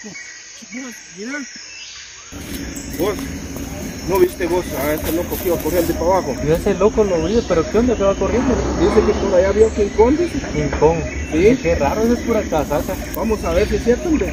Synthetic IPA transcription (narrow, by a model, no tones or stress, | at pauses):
ma | miɾa | ɡos | noβist̪eɣosaest̪elokokiβakorjend̪ipaβaxonoeselokoloβiðepeɾokeond̪okeβakorjend̪od̪isekekonajaβjokiŋkond̪esiŋkoŋ | sikeraɾoes̬espuɾakasaka | bamosaβeɾs̬isjeɾt̪onɾe